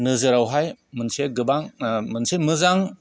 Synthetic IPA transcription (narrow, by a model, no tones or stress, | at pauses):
nɯzɯɾawɦajmɯnseɡɯbaŋmɯnsemɯzaŋ